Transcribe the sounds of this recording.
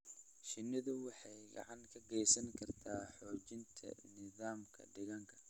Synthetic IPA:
ʃɪnɪðʊwɑħɑjɡɑ̰ʕɑŋkʰɐɡɛjsɐnkʰɐrt̪ʰaːħɔːt͡ʃɪnt̪ʰɐ̰nɪðaːmkʰɐ̰ɖɪɣɐŋkʰɐ̥

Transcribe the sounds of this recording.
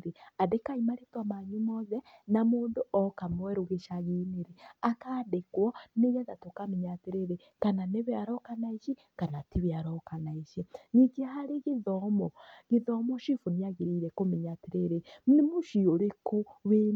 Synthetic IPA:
ɾeadekaimaɾetwamaɲumɔzɛnamuːnduʔɔkamwɛɾuɣeʃaɣineɾeakaːdekwɔnejazatokamiɲateɾeɾe | kananeβeaɾɔkanaiʃi | kanatiβeaɾɔkanaiʃinikiahaɾiɣiðɔmɔɣiðɔmɔʃifuniaɣiɾiɾɛkomiɲatiɾeɾenemuʃioɾekoβe

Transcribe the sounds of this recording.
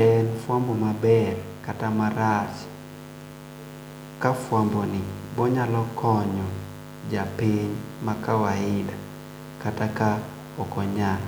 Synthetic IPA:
ɛnfwambɔmabɛr | katamaɾat͡ʃ | kafwambɔnɪbɔɲalɔkʰɔɲɔ | d͡ʒapiɲmakawaɪda | kataka | ɔkɔɲal

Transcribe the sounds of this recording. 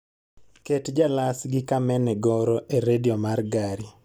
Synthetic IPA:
ketd͡ʒalasɡɪkamɛnɛɡɔɾɔʔeɾediɔmarɡaɾi

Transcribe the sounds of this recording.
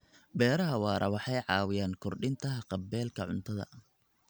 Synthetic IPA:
bɛːɾɐɦɐwɑːɾʔɐ̰wɑħɑjʕɑːwɪjaːŋkʰɔrɖɪnt̪ʰɐɦɐqɑbɛːlkʰɐʕʊ̰nt̪ʰɐðɐ̰

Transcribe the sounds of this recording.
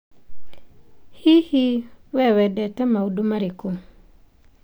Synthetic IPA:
hihiwɛwɛdɛtɛmaudomaɾiku

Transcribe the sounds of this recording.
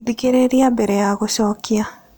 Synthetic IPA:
dikeɾeɾiabɛɾɛjaɣoʃɔkia

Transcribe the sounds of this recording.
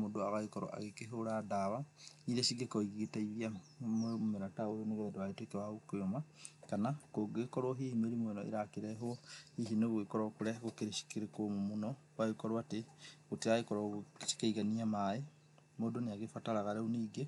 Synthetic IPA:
modoaɣaekɔɾo̰ʔa̰ɣekeɦoɾadawaniɾeʃiɡekoiɣetaiβia | meɾataojoneɣoɛdoaɣetekewaokojomakanakoɡekɔɾwɔɦiimeɾimwenɔʔḛɾakeɾɛɦohihinoɣwekɔɾɔkuɾɛɣokeɾeʃi̥keɾekommonɔ | waekɔɾwateɣoteaɣekɔɾʃi̥kaiɣaniamae | modoneaɣefataɾaɣaɾɛuniːɡe

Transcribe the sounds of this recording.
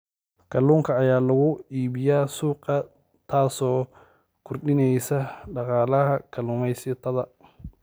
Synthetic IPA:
kʰɐluːŋkʰɐːjaːlɐɣʊiːβɪjaːsuːqɐ | t̪ʰaːsɔː | kʰʊrɗɪnɛjsɐɖɑqɑːlɐɦɐkʰɐluːmɛjsɪt̪ʰɐðɐ

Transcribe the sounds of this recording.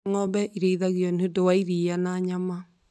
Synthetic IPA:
ŋɔβɛʔiɾeiðaɣjɔnodowaiɾianaɲama

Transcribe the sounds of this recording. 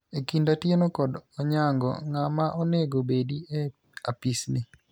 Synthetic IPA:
ekindatjenokɔdɔɲaŋɡɔ̰ŋamaʔɔneɡobedie | apisnɪ

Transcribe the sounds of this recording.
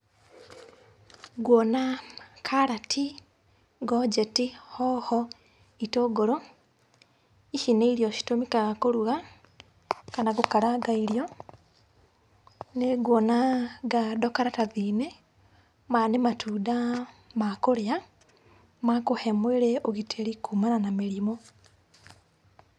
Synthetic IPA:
ɡwɔnakʰaɾatʰi | ɡod͡ʒetihɔhɔ | itoːɡoɾo | iʃineiɾijoʃi̥tomikaɣakoɾuɣa | kanaɡukaɾaɡaiɾjo | neɡwɔnaɡadɔkaɾataðine | manematʰudamakoɾea | makohɛmweɾeoɣitʰeɾikumananameɾimo

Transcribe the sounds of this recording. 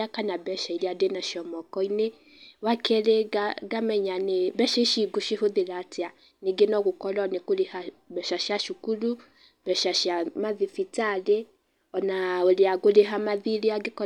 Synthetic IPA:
akanabɛʃaiɾeadenaʃiɔmɔkɔine | wakʰɛɾeaɡamɛɲanebɛʃɛʃiɡoʃihoðeɾaːtea | neɡenɔɣokɔlanekolehabɛʃaʃjaʃukuɾu | b̥ɛʃaʃjamaðifitale | ɔnaoleaɡoɾeɦamaðiɾeaɡekɔ

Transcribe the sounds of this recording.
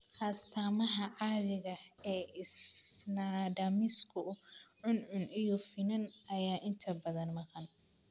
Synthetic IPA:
hɐːst̪ʰaːmɐɦɐʕɑðɪɣɐɛːʔɪsnaɖɐmɪskʰʊʕʊnʕʊnʔijɔfɪnɐnɐjaːʔɪnt̪ʰɐbɐðɐnmɐqɑn

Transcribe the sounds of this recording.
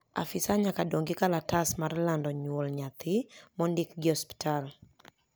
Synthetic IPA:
a̰fɪsaɲakadoŋɡɪkalatasmarlandɔɲwolɲat̪ʰɪmɔndɪkɡɪɔspi̥tʰal

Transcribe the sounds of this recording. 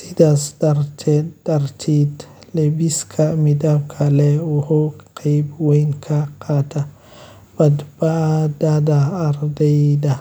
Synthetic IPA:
sidasdaɾtʰɛdaɾtʰidlɛbiskʰamidabkʰalɛɔhɔqʰajbwɔjnkʰaqʰata | badbadadaːɾdajda

